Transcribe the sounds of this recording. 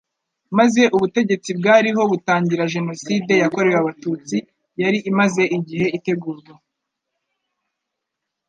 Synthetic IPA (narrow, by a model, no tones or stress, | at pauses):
maze̞ʔuβute̞ɟe̞t͡sib̚ɡaːɾiɦo̞βutaːɲɟiɾaʒe̞no̞siːde̞jako̞ɾejaβatuːt͡si | jaɾiʔːmaze̞ʔiɟihe̞ite̞ɡuːɾɡa